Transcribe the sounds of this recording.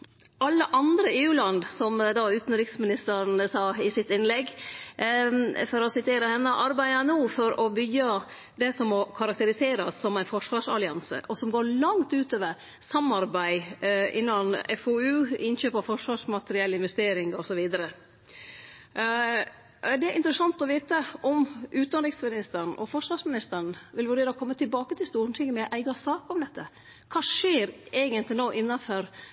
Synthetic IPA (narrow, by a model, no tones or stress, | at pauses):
ɑlːəʔɑnd̪ɾəeːʉːlɑnd̪sɔmd̪ɑʉːt̪nɾɪksmɪnɪst̪əɾnsɑːɪsɪt̪ɪnlɛɡ | fɔɾɔsɪt̪ʰeːɾəhɛnːəʔɑɾbæɪɑnuːfɔɾɔbʏɡːɑ | d̪ɛsɔmːɔkʰɑɾɑk̚t̪əɾɪseːɾɑsːɔmæɪnfɔʂʋɑːʂɑlɪɑnsə̰ʔɔsɔmɡoːɾɭɑŋt̪ʉːt̪øːʋəɾ | sɑmɑɾbæɪɪ̰nːɑnɛfoːʉːɪnçøːpɑʋfɔʂʋɑːʂmɑt̪əɾɪɛlːəɪnʋɛst̪eːɾɪŋɔsɔʋiːd̪əɾə | d̪ɛæʔɪnt̪ɾəsɑnt̪ɔʋiːt̪əʔɔmʔʉːnɑnɾɪksmɪnɪst̪əɳ̩ʔɔ̰fɔʂʋɑːʂmɪnɪst̪əɳ̩ʋɪlʋʉɖeːɾəɔkʰɔmːət̪ʰɪlbɑːkət̪ʰɪlst̪uːɳʈʰɪŋːəmɛʔæɪɡɑsɑːkɔmd̪ɛt̪ʰːə | kʰɑːʂeːɾeːɡənt̪lɪnoːʔɪnːɑfɔɾ